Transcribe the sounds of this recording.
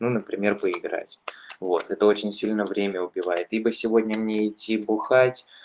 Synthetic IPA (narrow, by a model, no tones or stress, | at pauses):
nunəpɾʲɪmʲe̞rpəɪɡɾa̰tʲvo̞t̪ɛt̪əo̞t͡ɕɪnʲsʲilʲnəvɾʲemʲəʊpʲɪvajɪt̪ibɨsʲɪvo̞dʲnʲəmnʲeɪtʲːibʊxatʲ